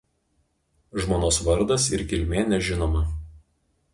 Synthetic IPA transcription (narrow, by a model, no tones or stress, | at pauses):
ʒmoːnoːsʋɐɾd̪ɐsɪɾkʲɪlʲmʲeːnʲɛʒʲɪnoːmɐ